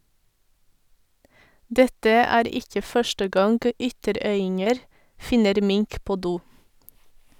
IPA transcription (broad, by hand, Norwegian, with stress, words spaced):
ˈdɛtə ˈæːɾ ˈɪkə ˈfœʃʈə ˈɡɑŋɡ ˈʏtəˌɾœʏɪŋəɾ ˈfɪnəɾ ˈmɪŋk ˈpoː ˈduː